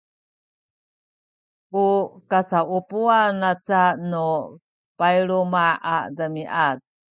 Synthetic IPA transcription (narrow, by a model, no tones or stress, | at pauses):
ʔukasaʔupuanat͡sanu | pajiɾumaa̰dəmiʔat̚